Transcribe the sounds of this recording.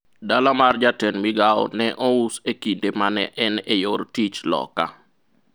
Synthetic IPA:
dalamard͡ʒatɛnmiɡaɔ̰nɛʔɔusekindemanɛʔɛnejoɾtit͡ʃlɔ̰ka̰

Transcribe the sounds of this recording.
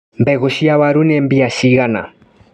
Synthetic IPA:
mbɛɣoʃiaβaɾunɛmbiaʃiɣana̰

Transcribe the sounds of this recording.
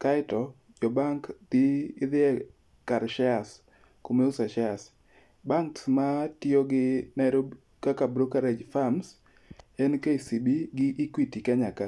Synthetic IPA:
kaɪtɔ | d͡ʒɔbaŋkd̥ɪɪðɪɛ | kaɾʃɛas | komeusaʃɛas | baŋksmatɪoɡɪnɛɾo | kakabɾokaɾed͡ʒfams | ɛnkeisibiɡɪʔikwitikaɲaka

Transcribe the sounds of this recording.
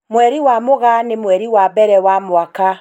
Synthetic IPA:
mwɛɾiwamoɣanemwɛɾiwabɛɾɛwamwaka

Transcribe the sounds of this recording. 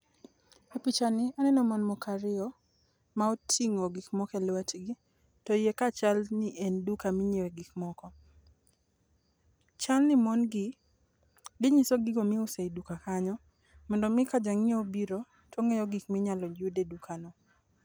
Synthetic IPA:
epit͡ʃanɪanɛnɔmɔnmɔkaɾɪɔ | maotʰiŋoɡikmɔkɛlwɛtɡi | tɔjekat͡ʃalnɪʔendukamɪɲeweɡikmɔkɔ | t͡ʃalnɪmɔnɡɪ | dɪɲisoɡɪɡomɪʊseidukakaɲɔ | mɔndɔmɪkad͡ʒaŋɪobiɾo | tʰɔŋejɔɡikmɪɲalɔd͡ʒudedukʰanɔ

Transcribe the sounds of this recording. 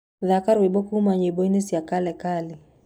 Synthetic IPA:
ðakaɾwebɔkumaɲeboinesjakalɛkalɪ

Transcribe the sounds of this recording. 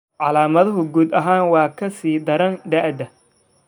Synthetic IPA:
ʕɑlaːmɐðɐɦʊɡuːd̪ɐɦaːnwɑːkʰɐsiːd̪ɐɾɐnd̪ɐʔd̪ɐ

